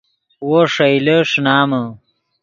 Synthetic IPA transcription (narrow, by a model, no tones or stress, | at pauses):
woʂɐjleʂnaːmɐ